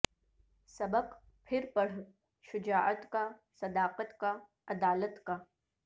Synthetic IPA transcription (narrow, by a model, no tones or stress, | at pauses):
sɐbəq | pʰɪɾpɐɽ̤ | ʃʊd͡ʒaːʔət̪kasɐd̪aːqət̪ka | ɐd̪aːlət̪ka